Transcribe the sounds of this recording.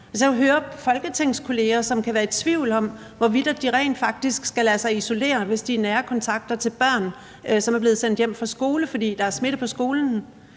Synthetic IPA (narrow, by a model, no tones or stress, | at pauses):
sjækɦøːɐfɒ̽lɡ̥ət͡sʰeŋ̰skʰo̝le̝ːɐsɒ̽mkʰæʋæːɐe̝d̥t͡sʰʋiʊ̰lɒ̽m | ʋɒʋid̥æd̥iʁɛ̰ɪn̥fɑ̈ɡ̥̚d̥isɡ̥sɡ̥ælæsɑ̈ɪiso̝le̝̰ːɐʋe̝sd̥iæɐnæːɐkʰɒ̽nt͡sʰɑ̈ɡ̥̚d̥ɐt͡sʰe̝lb̥ɶɐ̰n | sɒ̽mæɐb̥e̝ːð̞̩ˠsen̰d̥jem̰fʁɑ̈sɡ̥o̝ːləfɒ̽d̥ḭːd̥ɑ̈æɐsme̝ɾ̥əpʰɒ̽sɡ̥o̝ːln̩